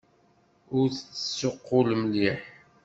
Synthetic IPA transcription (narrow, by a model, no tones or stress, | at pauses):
ʊɾθt͡sːə̥sːʊqːʊlmliħ